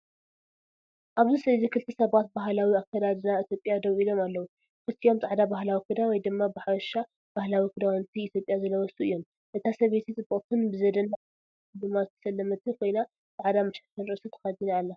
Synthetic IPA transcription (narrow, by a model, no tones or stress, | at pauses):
ʔaβzɨsɐzikʰɨlt̪ʰɨsɐβat̪̚baɦlawiakːad̪ad̪ɨnait̪ʰjo̞pʼjad̪ɐβʔilo̞malːɐwu | kɨt̪ʰːio̞mt͡sʼaʕd̪abahlawikɨd̪awɔjd̪ɨmːabɨħaβɐʃːa | b̥ahlawikʰɨd̪awnt̪ʰiːt̪ʰjopʼjazɐlːɐwɔsuɨjːo̞m | ʔɨt̪ʰasɐβet̪ʰit͡sʼɨbʼɨt̪ʰɨnbɨzɐd̪ɐna | ɨd̪ɨmːazɨt̪ʰɐ̥sɐlːɐmɐt̪ʰɨkʰo̞jna | t͡sʼaʕd̪amɐʃat̪ɐnɾɨsɨt̪ʰɐ̥xad̪inaːlːa